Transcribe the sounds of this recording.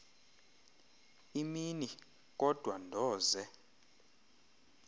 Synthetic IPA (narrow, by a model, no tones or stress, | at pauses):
imini | k̬ʼɔd̥ʱwandʱɔːzɛ